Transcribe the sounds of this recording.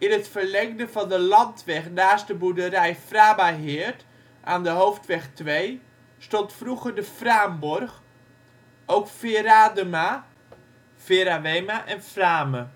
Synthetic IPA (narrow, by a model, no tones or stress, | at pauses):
ɪnətfərlɛŋdəvɑndəlɑntʋɛxnaːstdəbudərɛjfraːbaɦɪːrt | ʔaːndəɦowftʋɛxtʋej | stɔntfruɣərdəfraːmbɔrx | owkfɪradəma | fɪɾaʋejmaʔɛnfraːmə